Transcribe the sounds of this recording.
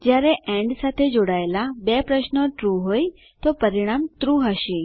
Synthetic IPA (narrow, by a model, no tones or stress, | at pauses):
d͡ʑjaɾeʔɛ̃ɖsat̪ʰed͡zoɽajlabepɾəɕnəʈɾuɦoj | t̪ɔpəɾiɽ̃amt̪ɾuɦaɕi